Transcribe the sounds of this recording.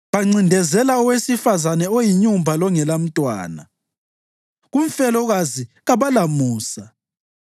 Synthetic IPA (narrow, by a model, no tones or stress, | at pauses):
βaŋ͡ǀindʱɛzɛlaɔwesifazanɛojiɲumbʱalɔŋɛlam̩tʼwa̰ːna̰ | ɣuɱ̩fɛlɔɣaziɣaβalamuːsa